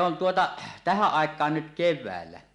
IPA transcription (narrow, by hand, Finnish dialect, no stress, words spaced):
on tuotɑ tæhæʔ ʔɑˑekˑɑːn nyt keʋˑæːlːæ